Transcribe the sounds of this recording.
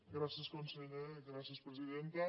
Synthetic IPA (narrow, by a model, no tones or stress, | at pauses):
ɡɾasiəskonseʎeɣɾasiəspɾəziðent̪ə